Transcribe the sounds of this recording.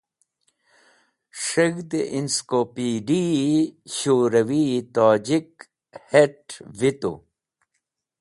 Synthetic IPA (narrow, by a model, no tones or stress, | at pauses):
ʂɐɡd̪eʔinskoːpiːɖi | ɕoːɾɐwit̪aːd͡ʑik | heʈvit̪ṵ